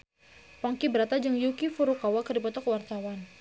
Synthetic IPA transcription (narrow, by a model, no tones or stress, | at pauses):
pɔŋkibəɾat̪ad͡ʒəŋjukifuɾukawakərdipɔt̪ɔkəwart̪awan